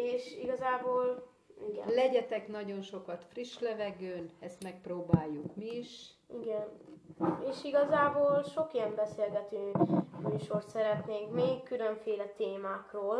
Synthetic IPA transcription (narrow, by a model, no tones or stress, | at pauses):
eːʃiɡɒzaːboːl | iɡɛ̰nlɛɟɛt̪ɛkn̪ɒɟo̞nʃo̞kɒt̪friʃlɛvɛɡøːnɛst̪mɛk̚proːbaːjːukmiiʃ | iɡɛn | eːʃiɡɒzaːboːlʃo̞kiɛmbɛseːlɡɛt̪yːmyːʃo̞rt̪sɛɾɛt̪neːŋkmeːkkːyløɱfeːlɛt̪eːmaːkroːl